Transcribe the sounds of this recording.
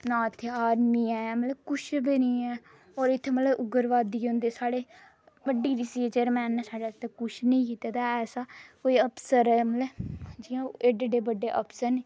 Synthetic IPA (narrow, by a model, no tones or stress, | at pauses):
nãːət̪ʰːeːaːɾmiːɛːɛːmətləkʊʃʰbeːniːɛː | ɔːɾɪt̪ʰːeːmələʔʊɡəɾʋaːd̪iːɦõːnd̪eːsaːɽeː | bəɖːiːɾisit͡ʃeːɾmɛ̃ːnːɛːsaːɖaːt̪eːkʊʃnəĩːkiːt̪aːt̪aːɛːsaːkoːiːəpsəɾɛːmət̪ləd͡ʒiːãːeɖɖeːbəɖːeːʔəpsəɾneː